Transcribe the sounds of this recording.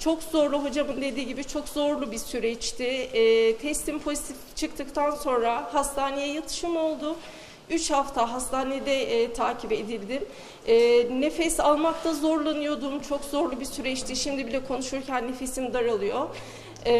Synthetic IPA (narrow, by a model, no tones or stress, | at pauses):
t͡ʃʰo̞kzo̞ɾlˠuɦo̞d͡ʒamɯnd̪e̞d̪iːɟibit͡ʃʰo̞kzo̞ɾlˠubisyɾɛt͡ʃt̪ʰɪːt̪ʰɛst̪ʰimpʰo̞zit̪ʰift͡ʃʰɯkt̪ʰɯkt̪ʰanso̞nɾahast̪ʰaːnejɛjat̪ʰɯ̥ʃɯmo̞lˠd̪ʊ | yt͡ʃhaft̪ʰaɦast̪ʰaːned̪ɛːt̪ʰaːcʰipe̞d̪ilʲd̪im | ɛːne̞fɛsalˠmak̚t̪ʰazo̞ɾlˠanɯjo̞d̪umt͡ʃʰokzo̞ɾlˠubisyɾɛt͡ʃt̪ʰiʃimd̪ibilʲɛkʰo̞nuʃuɾcʰænːe̞fe̞sind̪aɾalˠɯjo̞